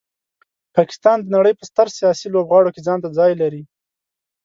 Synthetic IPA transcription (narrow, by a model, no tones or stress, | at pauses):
pɑkɪ̥st̪ɑnd̪ənaɽəjpəst̪əɾsijɑsilobɣɑɽoked͡zɑnt̪̬ad͡zɑjlaɾi